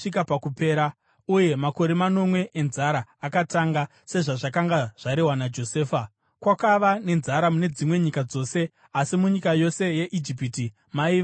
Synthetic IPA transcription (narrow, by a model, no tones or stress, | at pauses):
ikapakupe̞ːɾa | uje̞mako̞ɾe̞mano̞mwe̞ʔːnzaɾaːkataŋɡa | se̞ʐaʐakaŋɡaʐ̥aɾeɦwanad͡ʒo̞seːfa | kwakaʋane̞nzaɾamune̞d͡zimwe̞ɲikad͡zo̞ːse̞ | asimuɲikajo̞se̞je̞ʔid͡ʒip̬iti | maiːʋ